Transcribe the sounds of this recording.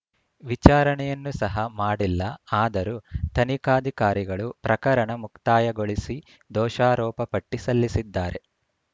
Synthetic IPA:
ʋit͡ʃaːɾɐɳɛjɐnːusɐɦɐmaːɽilːɐaːd̪ɐɾut̪ɐnikaːd̪ʱikaːɾiɡɐɭupɾɐkɐɾɐɳɐmukt̪aːjɐɡoɭisi | d̪ɔːʃaːɾɔːpɐpɐʈːisɐlːisid̪ːaːɾe̞

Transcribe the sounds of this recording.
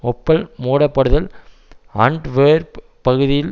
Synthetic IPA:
ɔpːɐlmuːɽɐpːɐɽɯðɐl | ɐ̰ɳɖʋeːɾ | pɐɣɯðɪjɪl

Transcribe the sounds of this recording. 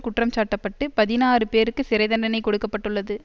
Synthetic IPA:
kʊʈrɐmt͡ʃaːʈːɐpːɐʈːɯpɐðɪnaːrɯpeːɾɯkːɯsɪɾɐɪðɐɳɖɐnɐɪkɔɽɯkːɐpːɐʈːɯɭːɐðɯ

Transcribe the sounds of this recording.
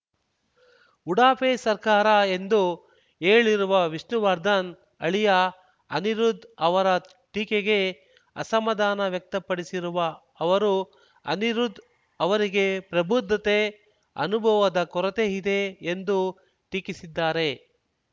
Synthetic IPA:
uɽaːpeːsɐɾkaːɾɐe̞nd̪u | eːɭiɾuʋɐʋiʂnuʋɐɾd̪ɐn | ɐ̰ɭijɐ | ɐ̰niɾud̪ɐʋɐɾɐ | ʈiːkeɡe̞ | ɐ̰sɐmɐd̪aːnɐʋjɐk̚t̪ɐpːɐɽisiɾuʋɐː | ʋɐɾu | ɐ̰niɾud̪ | ɐʋɐɾiɡe̞pɾɐbʱud̪ʱːɐt̪e | ɐ̰nubʱɐʋɐd̪ɐkɔɾɐt̪eid̪e̞ːnd̪u | ʈiːkisid̪ːaːɾe̞

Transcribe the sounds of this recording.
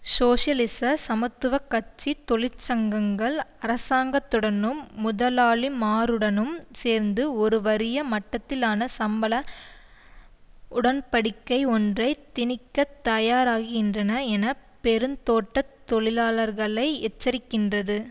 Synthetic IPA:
soːʂɐlɪsɐsɐmɐt̪ːɯʋɐkːɐt͡ʃːit̪ɔɭɪɾt͡ʃɐŋɡɐŋɡɐɭɐɾɐsaːŋɡɐt̪ːɯɽɐnɯmːʊðɐlaːɭimaːɾɯɽɐnɯmseːɾnd̪ɯɔɾɯʋɐɾɪjɐmɐʈːɐt̪ːɪlaːnɐsɐmbɐlɐ | ʊɽɐnpɐɽɪkːɐɪɔndrɐɪt̪ɪnɪkːɐt̪ːɐjaːɾaːɣɪɣɪndrɐnɐɛnɐpɛɾɯnt̪oːʈːɐt̪ːɔɭɪlaːlɐɾɣɐɭɐɪɛt͡ʃːɐɾɪkːɪndrɐðɯ

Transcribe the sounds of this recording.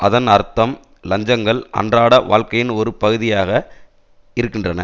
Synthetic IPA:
ʔɐðɐnɐɾt̪ːɐm | lɐɲd͡ʒɐŋɡɐɭʔɐ̰ndraːɽɐʋa̰ːɭkɐjɪnɔɾɯpɐɣɯðɪjaːɣɐ | ɪɾɯkːɪndrɐnɐ̰

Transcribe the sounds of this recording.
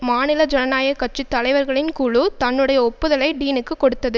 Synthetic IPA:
maːnɪlɐd͡ʒɛnɐnaːjɐkːɐʈ̚t͡ʃit̪ːɐlɐɪʋɐɾɣɐɭɪnkuːɭut̪ɐnːɯɽɐjɐɔpːɯðɐlɐɪɖiːnɯkːɯkːɔɽɯt̪ːɐðɯ

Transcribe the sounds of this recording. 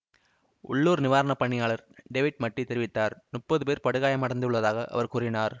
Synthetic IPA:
ʊ̰ɭːuːɾnɪʋaːɾɐɳɐpːɐɳːɪjaːɭɐɾɖeːʋɪʈ̚mɐʈːit̪ːɛɾɪʋɪt̪ːaːɾnʊpːɐðɯpeːɾpɐɽɯɣaːjɐmːɐɽɐnd̪ɯɯɭːɐðaːɣɐʔɐ̰ʋɐɾkuːrɪnaːɾ

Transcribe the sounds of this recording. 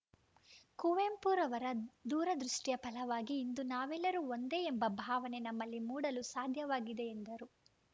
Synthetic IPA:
kuʋeːmpuːɾɐʋɐɾɐd̪uːɾɐd̪ɾuʂʈijɐpɐlɐʋaːɡiːnd̪unaːʋelːɐɾuond̪eembɐbʱaːʋɐnenɐmːɐlːimuːɽɐlusaːd̪ʱjɐʋaːɡid̪e̞ːnd̪ɐɾu

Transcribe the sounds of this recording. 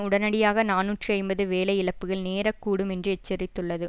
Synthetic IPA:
ʊɽɐnɐɽɪjaːɣɐnaːnuːʈrɯɐɪmbɐðɯʋeːlɐjɪɭɐpːɯɣɐɭneːɾɐkːuːɽɯmɛndrɯɛt͡ʃːɛɾɪt̪ːɯɭːɐðɯ

